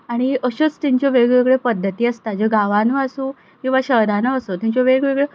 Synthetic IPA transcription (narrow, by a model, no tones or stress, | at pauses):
aɽ̃iʔəɕot͡st̪iɲt͡ɕjoʋeɡɭeɡɭepəd̪ʱːət̪iːəst̪ad͡ʑoɡaʋanuasũ | kĩw̃ʋaɕəɦd̪ʱanaəsot̪ãɲt͡ɕoʋeɡʋeɡɭe